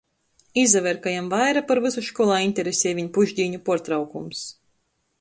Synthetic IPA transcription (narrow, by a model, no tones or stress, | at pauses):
izavʲɛɾkajamvajɾapaɾvɨsuʃkɔlˠaːinʲt̪ʲɛɾesʲɛːviɲpuʒd̪ʲiːɲupɔɾt̪ɾawkums